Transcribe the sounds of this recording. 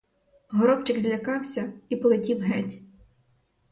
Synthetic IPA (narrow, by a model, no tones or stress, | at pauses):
ɦɔɾɔpt͡ʃɪɡzʲlʲɐkɑwsʲɐipɔlˠɪtʲiwɦɛtʲ